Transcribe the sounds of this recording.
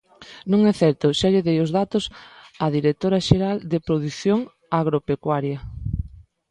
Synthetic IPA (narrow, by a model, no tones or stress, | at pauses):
nõŋɛθɛɾt̪ʊʃaʎɪðejozðat̪ʊsɐðiɾek̚t̪oɾɐʃeɾald̪epɾoðukθjoŋ | aɣɾopekwaɾjɐ